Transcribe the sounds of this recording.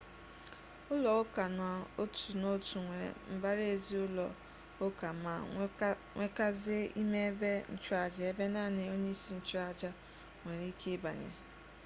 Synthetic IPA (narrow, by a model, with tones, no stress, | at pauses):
ʊ˦lɔ˨ʊ˦ka˨n˨a˨o˦tu˨no˦tu˨ŋʷe˨ɾḛ˨m̩˦ba˦ɾe˨zi˦ʊ˦lɔ̰˨ | ʊ˦ka˨˦ma˨ | ŋʷe˦ka˦zɪ˦i˦me˦e˦be˦n̩˦˨t͡ʃʊ˦a˨d͡ʒa˨˦e˦be˦na˦˨ne˨o˦ɲe˦i˦si˦n̩˦t͡ʃʊ˦a˨d͡ʒa˦ | ŋʷe˨ɾi˨˦i˦kʰe˦ba̰˨ɲḛ˨